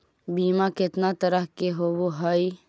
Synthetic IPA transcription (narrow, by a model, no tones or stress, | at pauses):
biːmakɪt̪nat̪ɐɾəɦkeɦoːboɦɐi